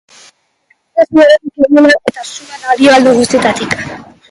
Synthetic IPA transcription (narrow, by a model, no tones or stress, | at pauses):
asioɾat̪ikeɣulaʔe̞t̪asumenaðioald̪eɣ̞ust̪ie̞t̪at̪ik